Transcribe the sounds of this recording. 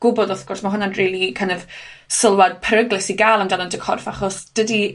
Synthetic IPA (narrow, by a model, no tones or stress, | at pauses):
ɡ̥ʊbɔdɔθɡ̥ʊrsmaɦʊnanriːlˠikʰənɛvsəlˠwad̥̚pʰəɾəɡlˠɪsiɡalˠamdanəndɛkʰɔ̰rfaχɔsd̥ədi